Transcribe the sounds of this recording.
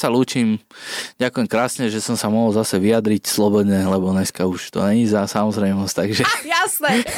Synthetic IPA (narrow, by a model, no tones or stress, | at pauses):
saluːt͡ʃimɟakujɛmkɾaːsɲɛʒɛsɔmsamɔɦɔlzasɛʋijad̪ɾicslɔbɔd̪ɲɛlɛbɔɲɛskauʃt̪ɔ̰ɲɛɲizasamɔzɾɛɪmɔst̪aɡʒɛjasnɛ